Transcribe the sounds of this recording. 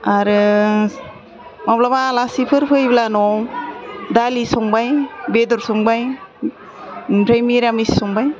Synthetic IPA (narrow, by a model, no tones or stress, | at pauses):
aɾɯ | mablabalasipʰɯɾpʰɯjblanɔ | dalisɔŋbajbedɔɾsɔŋbaj | pɾajmiɾamissɔŋbaj